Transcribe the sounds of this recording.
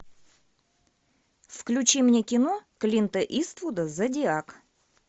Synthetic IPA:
fklʲʉt͡ɕimnʲekʲɪnoklʲint̪əʔist̪vud̪əzadʲɪak

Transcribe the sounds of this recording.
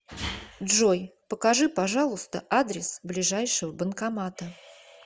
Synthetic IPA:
dʐojpəkɐʐɨpɐʐɑlˠʊst̪əʔad̪ɾʲɪsblʲɪʐajʂɨvəbənkɐmat̪ə

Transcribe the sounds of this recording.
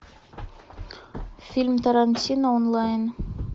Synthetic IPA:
fʲilʲmt̪ɐɾanʲtʲinonlˠɑjn

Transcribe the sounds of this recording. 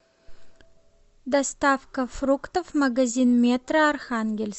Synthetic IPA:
d̪ɐst̪afkɐfɾukt̪əfmɐɡɐzʲinmʲet̪rɐɐrxanɡʲelʲs

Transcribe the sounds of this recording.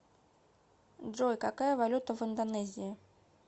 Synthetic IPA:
ʐɔjkakajɐvalʲut̪ɐvɨnd̪anɛzʲii

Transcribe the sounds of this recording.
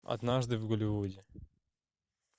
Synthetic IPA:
ɐ̰d̪naʐd̪ɨvɡʊlʲɪvudʲɪ

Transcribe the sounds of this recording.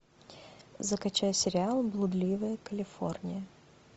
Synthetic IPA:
zəkɐt͡ɕæjsʲɪɾʲɪalˠblˠʊd̪lʲivəjəkəlʲɪfo̞̰rnʲɪjə

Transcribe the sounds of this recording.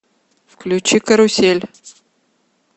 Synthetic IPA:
fklʲut͡ɕikəɾusʲelʲ

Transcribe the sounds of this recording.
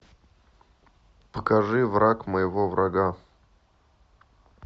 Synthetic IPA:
pəkɐʐɨvɾakməjɪvovɾʔɐɡa

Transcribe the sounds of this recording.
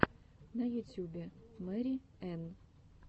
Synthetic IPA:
nɐjut̪ʲjubʲɛmɛɾʲi | ɛn

